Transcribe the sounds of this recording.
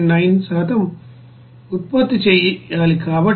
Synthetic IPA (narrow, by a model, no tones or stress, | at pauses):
nɐjnsaːt̪ʰɐm | ut̪̚pɐt̪ːit͡ʃɛjaːlikaːʋɐ